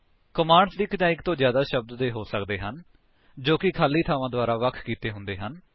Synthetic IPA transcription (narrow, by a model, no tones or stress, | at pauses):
kəmaːɳsd̪iːkətãːɪkt̪õːzjaːd̪aːʃəb̚d̪ːeːɦoːsəkd̪eːɦən | d͡ʒoːkɪkʰaːlːiːt̪ʰaːʋãːd̪ʊaːɾaːʋəkʰkiːt̪eːɦʊ̃nd̪eːɦən